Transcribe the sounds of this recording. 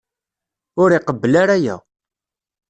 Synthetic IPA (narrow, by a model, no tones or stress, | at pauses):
ʊɾiqəbːlaɾæjæ̰